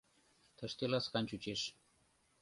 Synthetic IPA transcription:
t̪ʰə̆ʃt̪elɑsqɑnʲt͡ɕut͡ɕeʃ

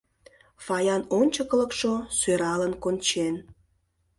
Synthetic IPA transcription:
fɑjɑnonʲt͡ɕəkələkʃosøɾɑlənkonʲt͡ɕen

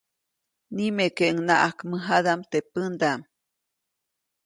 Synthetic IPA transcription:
nimekeʔŋnaʔakmɨɦaðamt̪epɨnd̪am

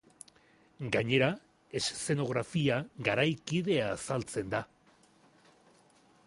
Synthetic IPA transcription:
ɡaɲe̞ɾa | e̞sse̞no̞ɣ̞ɾafiaɡaɾajkið̞e̞aːsalt͡se̞nd̪a

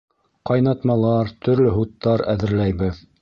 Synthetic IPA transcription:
qɑjnɑt̪mɑlˠɑɾt̪ʰɵ̆ɾlɵɦut̪ːɑɾæ̰ðɘ̆ɾlæjβɘð

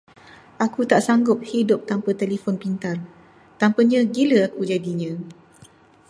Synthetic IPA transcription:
akut̪aʔsaŋɡʊp̚hidʊp̚t̪ampət̪elifɔnpint̪ar | t̪ampəɲãɡiləakud͡ʒadiɲã

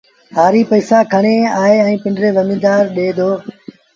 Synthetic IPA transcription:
haːɾiːpəːsaːkʰəɳeːaːeːɛ̃ĩːpɪɳɖɾeːʋəmĩːd̪aːɾɗeːd̪oː

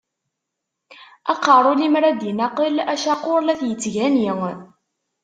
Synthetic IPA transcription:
ɑqːɑɾˤʊlimɾæd̪jinɑqəlæʃɑqʊɾlæθjət͡sːʝæniŋ

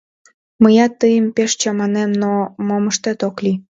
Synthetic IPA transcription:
məjɑt̪ːəjəmpeʃt͡ɕɑmɑnemnomoməʃt̪et̪okli

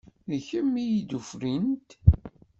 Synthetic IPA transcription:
ðəçəmːijid̪ufɾint̪

